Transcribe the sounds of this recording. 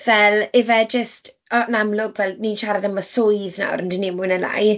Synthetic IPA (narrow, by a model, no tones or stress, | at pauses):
vɛlɪvɛd͡ʒəst | ɔnamlˠʊɡvɛlˠninʃaɾadəmasʊjðna̰wɾəndinimʊnəla̰j